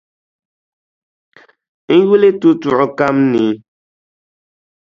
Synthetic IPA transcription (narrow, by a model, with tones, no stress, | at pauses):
n̩˦ji˦le˦tu˦tu˨ʔo˨ka˦mni˨˦